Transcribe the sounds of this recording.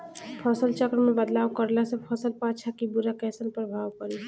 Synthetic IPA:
pʰəsəlt͡ʃəkɾmebəd̪lawkəɾlasə̃pʰəsəlpat͡ʃʰakibuɾakɛsənpɾəbʱawkəɾi

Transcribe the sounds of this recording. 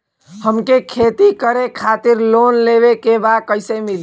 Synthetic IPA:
həmkekʰet̪ikəɾekʰat̪iɾlonleʋekebakəɪsemil

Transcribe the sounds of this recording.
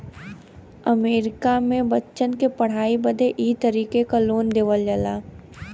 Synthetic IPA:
ɐmeːɾɪkamẽbətːʃənkepɐɽ̤aːibəd̪ʱeʔiːt̪əɾiːkekaloːnd̪eːʋəld͡ʒəlaː

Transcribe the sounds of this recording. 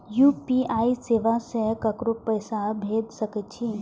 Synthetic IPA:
jupiaiseːʋasekəkɾopəjsabʱed̪səkət͡ʃʰi

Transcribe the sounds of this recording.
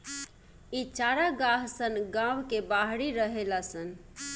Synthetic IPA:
it͡ʃaɾaɡaɦsənɡãwkebaɦɽiɾəɦelasən

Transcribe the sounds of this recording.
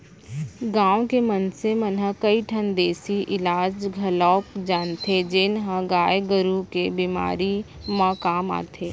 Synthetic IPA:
ɡãːw̃kemənsemənɦəkəiʈʰənd̪eːsiʔɪlaːd͡ʒɡʱɐlɔːkd͡ʒaːnt̪ʰed͡ʒɪnɦə̃ɡaːjɡəɾukebiːma̰ːɾi | mãkaːma̰ːt̪ʰeː

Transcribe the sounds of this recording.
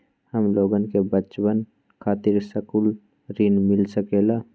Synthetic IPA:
həmloːɡənkebət͡ʃwən | kʰaːt̪ɪɾsəkul | ɾinmɪlsəkelaː

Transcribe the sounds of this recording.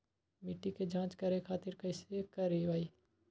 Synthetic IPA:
mɪʈːiked͡ʒãːt͡ʃkɐɾekʰaːt̪ɪɾkɐɪsekɐɾiʋaːiː

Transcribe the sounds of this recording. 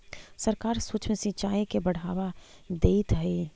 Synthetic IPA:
sɐɾkaːɾsuːt͡ʃʰmesĩt͡ʃaːikebɐɽ̤aːʋad̪eːt̪ɦɐi

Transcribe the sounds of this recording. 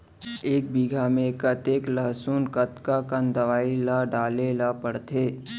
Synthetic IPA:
eːk̚biɡʱamẽkət̪eːklɐɦsuːnkət̪kakənd̪əʋaːilaɖaːlelapəɽt̪ʰeː

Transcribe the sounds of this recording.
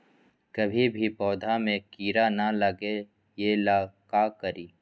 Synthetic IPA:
kɐbʱibʱipɔːd̪ʱamẽkiːɾanalɐɡe | jelakaːkəɾiː

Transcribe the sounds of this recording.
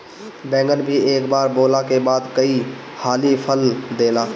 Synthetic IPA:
bɛ̃ːŋɡənbʱieːkbaːɾboːlakebaːd̪kəi | haːlipʰəld̪eːlaː

